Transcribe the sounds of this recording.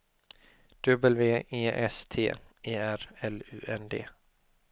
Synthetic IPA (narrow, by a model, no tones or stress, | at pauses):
d̪̥ɵbəlveːeːʔɛ̰st̪ʰḛːeːæɾɛlʉ̟̰ːɛnd̪ḛː